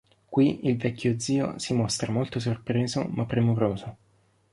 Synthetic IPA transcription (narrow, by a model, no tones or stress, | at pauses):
kwiilvɛkʲːjod̪zːiːo̰simɔst̪ɾamolt̪os̬orpɾeːzo̰mapːɾemoɾoːzo